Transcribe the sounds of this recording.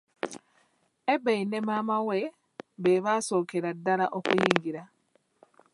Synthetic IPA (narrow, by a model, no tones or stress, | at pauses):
ebeinemamawe̞ | βeβaːso̞ːkeɾadːalaʔokujiːŋɡiɾa